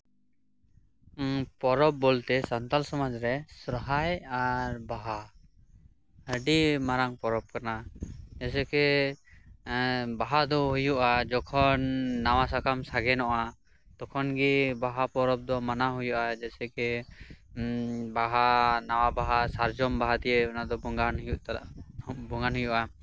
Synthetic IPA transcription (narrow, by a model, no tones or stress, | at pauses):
pɔɾɔb̚ːɔlt̪ɛsant̪alsɔmad͡ʒɾɛsɾɔɦajaɾbaɦa | həɖimaɾaŋpɔɾɔb̚kanad͡ʒɛsɛkɛ | baɦad̪ɔɦujuʔad͡ʒɔkʰɔnːawasakʰamsaɡɛnɔʔa | t̪ɔkʰɔnɡibaɦapɔɾɔp̚d̪ɔmanaɦujuʔad͡ʒɛsɛkɛ | baɦanawabaɦasaɾd͡ʒɔmbaɦad̪ijɛɔnad̪ɔbɔŋɡanɦujuʔt̪aabɔŋɡanɦujuʔa